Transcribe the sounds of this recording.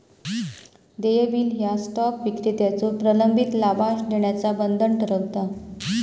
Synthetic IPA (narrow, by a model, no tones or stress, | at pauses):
d̪ejəbiːlɦjasʈɔpʋikɾit̪jat͡sopɾələmbʱit̪labaɕd̪eɳjat͡sabənd̪ʱəɳʈʰəɾəwt̪a